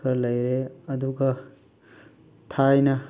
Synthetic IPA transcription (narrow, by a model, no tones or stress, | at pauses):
kʌɾlʌjɾeʌd̪ukʌ | t̪ʰajnʌ